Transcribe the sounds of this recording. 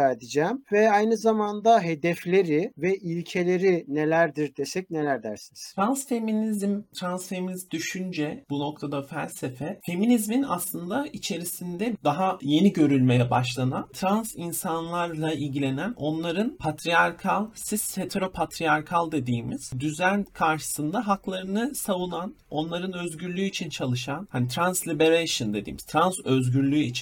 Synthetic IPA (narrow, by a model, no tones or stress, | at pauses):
æɾd̪id͡ʒɛːmvɛajnɯzamand̪aɦe̞d̪ɛflʲe̞ɾivɛʔilʲcʰe̞lʲe̞ɾine̞lʲæɾd̪iɾd̪esɛc̚nelʲæɾd̪æɾsiniz̥t̪ɾansfe̞minizmt̪ʰɾansfe̞minizmd̪yʃynd͡ʒɛbuno̞k̚t̪ʰad̪afælʲse̞fɛfe̞minizminaslˠɯnd̪ait͡ʃʰe̞ɾisind̪ɛd̪aɦaje̞niɟø̞ɾylʲme̞jɛbaʃlˠanant̪ʰɾansinsanlˠaɾlˠailʲɟilʲe̞næno̞nlˠaɾɯnpʰat̪ʰɾijaɾkʰalˠsiz̥het̪ʰeɾo̞pʰat̪ʰɾijaɾkʰalˠd̪e̞d̪iːmiz̥d̪yzænkʰaɾʃɯ̥sɯnd̪aɦaklˠaɾɯnɯsavunan | o̞nlˠaɾɯnø̞zɟyɾlʲyːit͡ʃʰint͡ʃʰalˠɯʃanhanit̪ʰɾanslʲibe̞ɾejʃɯnd̪e̞d̪ḭːmi̥zt̪ʰɾanzøzɟyɾlʲyːit͡ʃʰin